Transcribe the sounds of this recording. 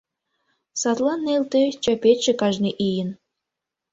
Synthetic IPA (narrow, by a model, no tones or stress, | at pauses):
sɑt̪lˠɑnːelt̪et͡ɕɑpʲetʲʃĕkɑʒnʲeʔijə̆n